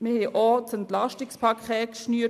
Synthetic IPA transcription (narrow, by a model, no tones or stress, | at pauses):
məhɛʔɔtt͡sɛntlaʃtɪkspʰɑkʰɛːtkʃnyːə